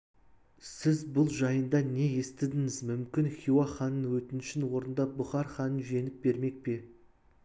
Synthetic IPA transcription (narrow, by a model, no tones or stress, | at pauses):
sɪzbʊlˠʒɑjənd̪ɑne̞je̞st̪ɪd̪ɪŋɪzmʏmkʲɪnχʲuwɑχɑnənwɵt̪ɪnʃɪnwo̞ɾənd̪ɑp̚bʊχɑɾχɑnənʒʏje̞nɪp̚be̞ɾme̞k̚pe̞